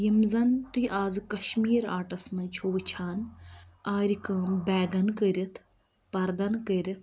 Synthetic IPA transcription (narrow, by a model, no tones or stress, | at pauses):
jimzɐnt̪uiʔaːzkɐʃmiːɾaːʈɐsmɐnt͡ʃʰoːʋt͡ʃʰaːnaːɾikɐmbɛːɡɐnkəɾʲit̪ʰ | pɐɾd̪ɐnkəɾʲit̪ʰ